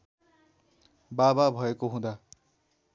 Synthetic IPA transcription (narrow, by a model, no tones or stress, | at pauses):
bababʱʌekoɦũd̪a